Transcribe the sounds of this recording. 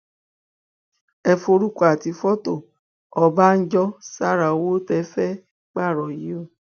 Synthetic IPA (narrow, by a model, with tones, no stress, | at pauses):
ɛ˧fo˧ɾu˦ka˨ti˧˦fɔ˦to˦˨ | ɔ˧ba˦n̩˦d͡ʒɔ˦sa˦ɾa˨o˨wo˦tɛ˨˦fɛ˦ | k͡pa˦˨ɾɔ˨ji˨˦o˦˨